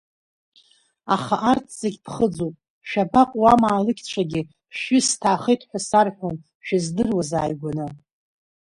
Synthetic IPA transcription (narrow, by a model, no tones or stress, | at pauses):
aχaʔartʰz̥aɡʲpʰχəd͡zopʼ | ʃᶣabaqʷʼwamaːlɨkʲt͡ɕʷʰaɡʲɪ | pʃɪstʰaːχejtʼħʷᶣasarħʷon | ʃᶣazdɨrwaza̰ːjɡʷanɨ